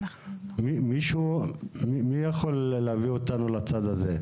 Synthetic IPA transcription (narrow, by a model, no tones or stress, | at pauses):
mimiʃumimijaχo̞lːeaviot̪anulat͡sad̪aze